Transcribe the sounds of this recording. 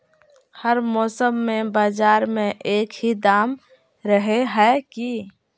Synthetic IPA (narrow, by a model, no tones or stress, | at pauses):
həɾmɔːsəmːẽbaːd͡ʒaːɾmẽʔeːkhid̪aːm | ɾəɦeɦɛki